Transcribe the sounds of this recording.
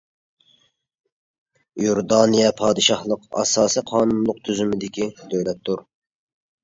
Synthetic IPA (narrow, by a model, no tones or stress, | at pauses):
joɾd̪ɑːnijɛpʰɑːd̪ɨʃɑhlˠəqɑ̰sɑːsiqʰɑːnunlˠʊqt̪ʰyzymɪd̪ɪkʲid̪øjlɛp̚t̪ʰːuɾ